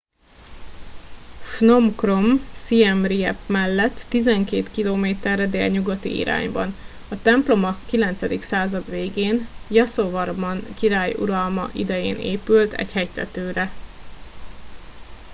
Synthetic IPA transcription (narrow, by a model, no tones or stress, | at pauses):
fnomkro̞msiɛmriɛ̰pmɛlːɛt̪ːizɛŋkeːt̪kiloːmeːt̪ɛrɛd̪ḛːlɲuɡɒt̪ḭḭɾa̰ːɲbɒ̰n | ɒt̪ɛmplo̞mɒkilɛnt̪sɛd̪iksaːzɒd̪ʋeːɡeːnjɒsovɒrmɒnkiɾaːjṵɾɒlmɒ̰ʔḭd̪ɛjeːnḛːpylt̪ɛ̰chɛjt̪ɛt̪øːɾɛ